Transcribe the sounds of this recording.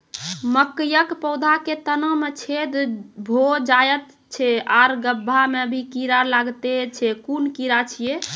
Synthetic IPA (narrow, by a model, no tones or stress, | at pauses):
məkjəkpəwd̪ʱaket̪ənəmet͡ʃʰed̪bʱod͡ʒajət̪ | t͡ʃʰeaɾɡəbʱːamebʱikiɾalaɡt̪et͡ʃʰɛkunkiɾat͡ʃʰije